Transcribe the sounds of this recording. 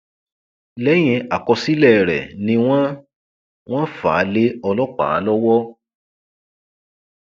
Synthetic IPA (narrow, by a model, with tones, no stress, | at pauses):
lɛ˦j̃ɛ̃˧a˨kɔ˧si˦lɛ˦˨ɾɛ̰˨nĩ˧w̃ã˦ | w̃ɔ̃˦fa̰ː˨˦le˦ɔ˧lɔ˦k͡pa̰˨˦lɔ˦wɔ˦